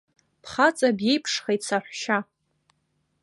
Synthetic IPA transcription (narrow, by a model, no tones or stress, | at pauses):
pʰχat͡sʼabje̞jpʰʂχejt͡sʰaħʷᶣʃa